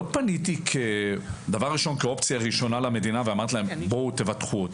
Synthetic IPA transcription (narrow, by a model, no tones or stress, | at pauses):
od̪̚panit̪ikʰed̪avaʁːiʃo̞nkeo̞pt͡sjaʁiʃo̞nalame̞d̪inaveamaʁt̪ilaembot̪e̞vat̪χuot̪